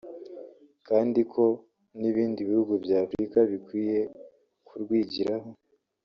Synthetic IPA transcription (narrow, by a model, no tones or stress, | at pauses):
kaːndikʰo̞ | niβiːndiβihuɡubjaːfɾikaβikwiːje̞ | kʰuɾɡwiːɟiɾaɦo̞